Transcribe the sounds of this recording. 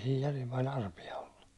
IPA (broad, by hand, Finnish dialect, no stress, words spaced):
siːj jærim pɑl ɑrpiɑ olːu